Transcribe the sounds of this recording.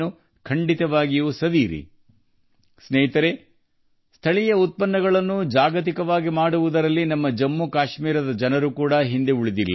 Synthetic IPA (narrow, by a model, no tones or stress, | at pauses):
u | kʰɐɳɖit̪ɐʋaːɡijusɐʋiːɾḭ | snɛːɦit̪ɐɾe | st̪ʰɐɭijɐut̪̚pɐnːɐɡɐɭɐnːud͡ʒaːɡɐt̪̬ikɐʋaːɡimaːɽuʋud̪ɐɾɐlːinɐmːɐd͡ʒɐmːukaːʃmiːɾɐd̪ɐd͡ʒɐnɐɾukuːɽɐɦind̪e̞uɭid̪ilː